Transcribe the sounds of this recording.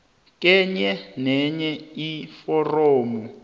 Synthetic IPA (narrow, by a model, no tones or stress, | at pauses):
k̬ʼɛɲɛnɛɲɛifɔroːmu